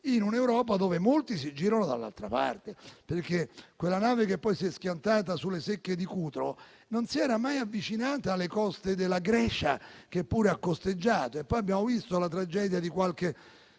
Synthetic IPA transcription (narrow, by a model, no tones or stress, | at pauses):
inunewɾɔːpad̪oːvemolt̪isid͡ʒiːɾanod̪a̰lːa̰lt̪ɾapa̰rt̪eperk̟ekːwelːanaːvek̟epːɔjsiɛskʲjant̪aːt̪asulːesekːed̪ikuːt̪ɾo | nonsiɛːɾamajavːit͡ʃinaːt̪aːlːekɔst̪ed̪elːaɡɾɛːt͡ʃa̰k̟epːuːɾeakːost̪ed͡ʒːaːt̪oepːɔjabːjaːmovist̪olat̪ɾad͡ʒɛːd̪jad̪ikwalk̟e